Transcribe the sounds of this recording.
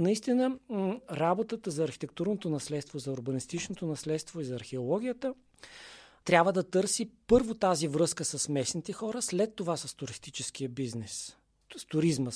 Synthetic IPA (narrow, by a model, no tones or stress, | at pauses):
nɐist̪inəɾabot̪ət̪əzɐːɾxi̥t̪ɛk̚t̪uɾnot̪onɐslɛt̪st̪vozɐʊɾbənist̪it͡ʃnot̪onɐslɛt̪st̪voizɐːɾxiolˠɔɡʲijət̪ə | t̪ɾʲabvəd̪ɐt̪ɤɾsipɤɾvot̪azivɾɤskəsɐsmɛsnit̪ɛxɔɾəslɛt̪ːovasəst̪ʊɾist̪it͡ʃɛsk̟iəbiznɛs | st̪ʊɾizmə